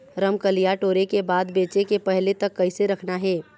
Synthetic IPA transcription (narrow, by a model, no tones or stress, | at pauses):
ɾɐmkɐlijaʈoːɾekebaːd̪beːt͡ʃekepɛɦlet̪ɐkːɐiseɾɐkʰnaɦɛː